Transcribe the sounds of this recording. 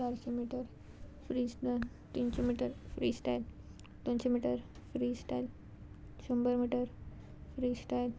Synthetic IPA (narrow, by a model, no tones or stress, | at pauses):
aɾɕemiʈəɾ | fɾisʈə | t̪int͡ɕomiʈəɾfɾiːsʈajl | t̪onɕemiʈəɾ | fɾiːsʈajl | ɕumbəɾmiʈəɾ | fɾiːsʈajl